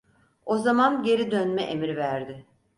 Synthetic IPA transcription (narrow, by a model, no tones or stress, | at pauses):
o̞zamanɟe̞ɾid̪ønmɛʔemiɾvæɾd̪ɪ